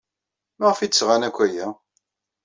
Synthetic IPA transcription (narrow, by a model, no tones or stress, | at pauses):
maʁfid̪sʁanækʷːæjæ